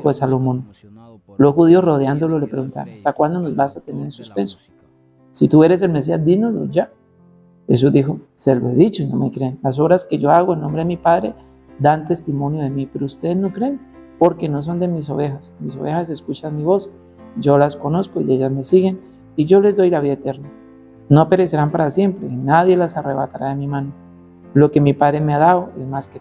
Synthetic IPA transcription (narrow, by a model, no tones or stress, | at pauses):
koesalomõn | losxuðiosro̞ðjand̪o̞lolepɾeɣunt̪a̰nast̪akwand̪onozbasat̪ene̞ɾensuspe̞nso̥ | sit̪ue̞ɾe̞s̬e̞lmes̬iazd̪inolo̰d͡ʒa | xe̞s̬uzd̪ixo̞selo̰eðit͡ʃoino̰mekɾenlas̬o̞βɾaske̞ʝo̞aɣoenːo̞mbɾe̞ðemipaðɾe̞̰ | d̪ant̪e̞st̪imõ̞njo̞ðe̞mipe̞ɾoust̪e̞ðezno̞kɾe̞ːn | po̞ɾke̞no̞s̬o̞nd̪e̞mis̬o̞βe̞xasmis̬o̞βe̞xase̞skut͡ʃanmiβo̞s | d͡ʒo̞lasko̞no̞sko̞ḭe̞ʝazme̞siɣe̞n | iʝo̞le̞zd̪o̞jlaβiðaet̪e̞ɾna | no̞pe̞ɾe̞se̞ɾampaɾasje̞mpɾe̞naðje̞lasare̞βat̪aɾaðe̞mimano | lo̞ke̞mipaðɾe̞me̞aðaðoe̞zmaske